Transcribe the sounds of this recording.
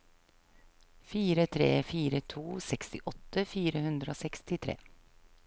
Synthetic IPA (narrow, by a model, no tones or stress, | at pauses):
fiːɾət̪ʰɾḛːfiːɾət̪ʰuːsɛkst̪ɪʔɔt̪ːəfiːɾəhʉnd̪ɾəoːsɛkst̪ɪt̪ʰɾḛː